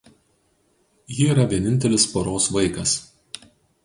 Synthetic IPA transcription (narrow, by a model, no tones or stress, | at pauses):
jɪiːɾɐʋʲiɛnʲɪnʲt̪ʲɛlʲɪspoɾoːsʋɐɪkɐs